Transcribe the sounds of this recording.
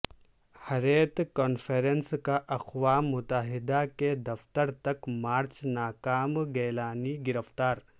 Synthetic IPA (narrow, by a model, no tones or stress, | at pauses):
hɐɾeːt̪kɔːnfeɾenskaʔɐxwaːmːʊt̪əɦɪd̪aked̪ɐft̪əɾt̪ɐkmaːɾt͡ʃnaːkaːmɡɛːlaːniɡɪɾəft̪aːɾ